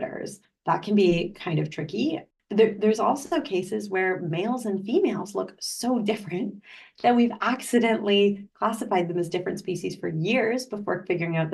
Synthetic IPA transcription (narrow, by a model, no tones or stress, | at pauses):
ɾə̰˞z̥ | ðə̰t̚kʰɨ̃n̩bikʰãɪ̃ndʌv̥tʰɹ̥ɪki̥ | ʌðə˞ðə˞zɔlˠsoʊkʰeɪsɨzwə˞meɪlˠzɨ̃nfimeɪlˠzlʊksoʊdɪfɹɨ̃nðɨt̚wivæksɨɾɛ̃nʔlikʰl̥æsəfaɪd̪̚ðə̃mɨzdɪfɹɨ̃ntspiʃiz̥fə˞jɪɹzbəfɔ̰ɹfɪɡjə˞ɪ̃ŋaʊt̪̚ð